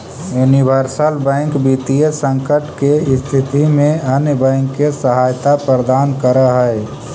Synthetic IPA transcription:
junibʱəɾsəlbɛ̃ːŋkbit̪iesə̃ŋkəʈkeɪst̪ʰɪt̪imẽənjbɛ̃ːŋkːesəɦaːjt̪apɾəɾəd̪aːnkəɾəɦəe

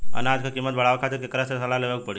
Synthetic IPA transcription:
a̰nad͡ʒkʰakimːət̪̚bʱəɽaʋakʰat̪iɾkekɾasesəlaleʋək̚pəɽi

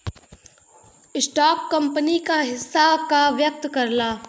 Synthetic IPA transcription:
ɪsʈaːkːɐ̃mpənikaɦɪsːakaʋjək̚t̪kɐɾlaː

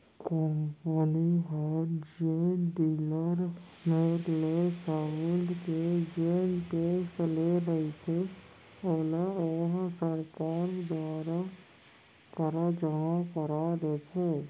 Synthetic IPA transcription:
kompəniɦɔɾd͡ʒeɖiːləɾ | meːɾlesaəlɖked͡ʒeːnʈeːsleɾəɦit̪ʰe | oːlaɔːɾsəɾkaːɾkd̪waːɾa | kəɾad͡ʒəɦãkəɾaɾet̪ʰeː

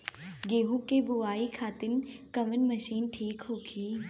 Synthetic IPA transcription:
ɡeːɦũkebʊaːikʰaːt̪ɪnkɐmənmɐʃiːnʈʰiːkɦoːɡʰiː

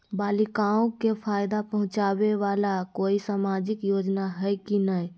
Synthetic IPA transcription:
balikaõkepʰajd̪apəɦʊ̃t͡ʃabeʋalakoisamad͡ʒikjod͡ʒnaɦəjkinəj

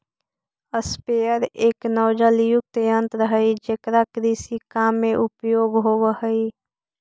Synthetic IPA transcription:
əspeːəɾeːknɔːd͡ʒaːlijʊk̚t̪ejə̃nt̪ɾəɦəid͡ʒekɾakɾiːsikaːmːẽʔʊpjoːɡɦoːʋəhəi

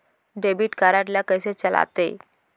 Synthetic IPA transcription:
ɖebiʈkaɾaʈljakəjset͡ɕəla̰t̪e

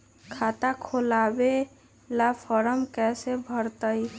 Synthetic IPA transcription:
kʰaːt̪akʰolaːbe | lafʰɔɾəmkɛːsebʱəɾt̪əi

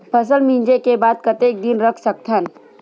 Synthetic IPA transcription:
pʰɐs̬əlmĩːnd͡ʒekebaːd̪̚kɐt̪eːk̚d̪ɪnɾɐkʰsək̚t̪ʰən

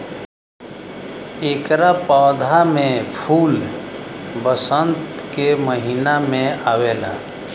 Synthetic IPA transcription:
eːkɾapaːd̪ʱamẽpʰuːl | bəsənt̪keməɦinamẽaːweːlaː

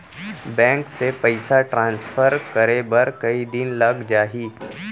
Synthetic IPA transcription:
bɛ̃ːŋksepəɪsaʈɾãːnsfʰəɾkəɾebɐɾkɐid̪ɪnlɐɡd͡ʒaːɦiː

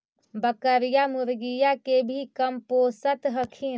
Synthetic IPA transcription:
bəkəɾijamuɾɡijakebʱikəmposət̪ɦəkʰin

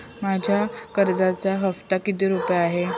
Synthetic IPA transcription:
mad͡ʑʱjakəɾd͡zat͡saɦəft̪akit̪iːɾupjaːɦe

